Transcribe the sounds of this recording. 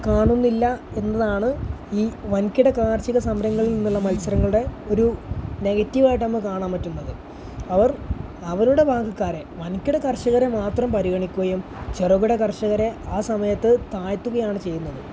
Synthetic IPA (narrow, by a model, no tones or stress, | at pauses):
kaːɳunːilːɐe̞nːɐðaːɳɨiːʋɐnkʲːiɽekaːrt͡ɕiɣɐsɐmɾɐŋːɐɭilninːuɭːɐmɐlsɐɾɐŋːɐɭuɽe̞o̞ɾune̞ɣɐtːiʋaːjiʈːnɐmːɐkaːɳaːmpɐtːunːɐðɨ | ɐʋɐr | ɐʋɐɾuɽe̞bʱaːɡɐkːaːɾe̞ʋɐnkːiɽɐkɐrʂɐɣɐɾemaːt̪rɐmpɐɾiɣɐɳikʲːuɣɐjum | t͡ɕeruɣuɽekɐrʂɐɣɐɾe̞aːsɐmɐjɐt̪ːɨt̪aːjɐt̪ːuɣɐjaːɳɨt͡ɕe̞jːunːɐðɨ